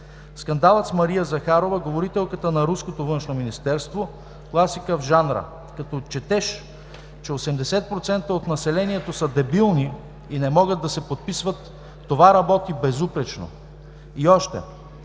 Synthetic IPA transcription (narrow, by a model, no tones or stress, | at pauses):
skɐnd̪alˠət̪smɐɾijəzɐxaɾovəɡovoɾit̪ɛlˠkət̪ənɐɾuskot̪ovɤnʃnominist̪ɛɾst̪vo | klˠasikəvʒanɾə̰ | kɐt̪ɔt͡ʃɛt̪ɛʃ | t͡ʃɛosɛmd̪ɛsɛt̪̚pɾot̪sɛnt̪əot̪nɐsɛlɛniɛt̪osəd̪ɛbilˠni | inɛmɔɡəd̪d̪ːɐsɛpot̪̚pisvɐt̪ː | ovaɾɐbɔt̪ibɛzupɾɛt͡ʃno̰ | iɔʃt̪ɛ̰